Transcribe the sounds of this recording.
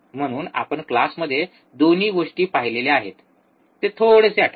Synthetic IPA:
m̤əɽ̃uːna̰pəɳklasməd̪ʱːje | d̪oniːɡoʂʈiːpaɦileleaɦet̪ː | et̪ʰoɽeseaʈʰ

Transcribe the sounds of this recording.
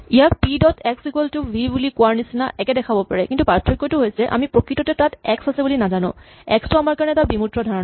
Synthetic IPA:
ijapidɔtɛksikeltʊbʱibulikʊaɹnisinaʔɛkɛdɛkʰabɔpaɹɛkintupaɹtʰːɔkːɔjtʊɦojsɛʔa̰mipɹɔkɹitɔtɛtatɛksasɛbulinazanʊ̰̃ | ɛkstuamaɹkaɹɔnɛtabimutɹɔdʱaɹɔn

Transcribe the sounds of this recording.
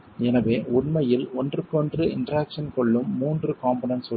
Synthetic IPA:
ɛnɐʋeːʊɳmɐjɪlɔndrɯkːɔndrɯɪ̰ndɾaːkʂɐnkɔɭːɯmːuːndrɯkaːmpoːnɐnsʊ

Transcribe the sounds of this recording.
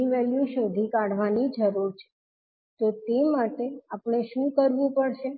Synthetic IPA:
iʋɛljuʃod̪ʱikaɽ̤ʋanid͡ʒəɾuɾt͡ʃʰe̥ | t̪ot̪emaʈeapɳ̃eʃũkəɾʋũpəɽʃe

